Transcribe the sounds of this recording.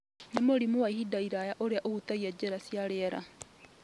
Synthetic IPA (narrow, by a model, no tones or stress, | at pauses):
nemoɾimowaihidaiɾajaʔoɾeaʔoɣutaiad͡ʒeɾasjaɾeɾa̰